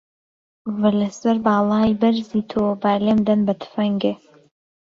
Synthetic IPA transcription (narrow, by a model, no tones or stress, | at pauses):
vɨlɐsɐɾbɑːlˠaːjbɐɾzit̪ʰobaːleːmd̪ɐnbɐt̪ʰfɐŋɡe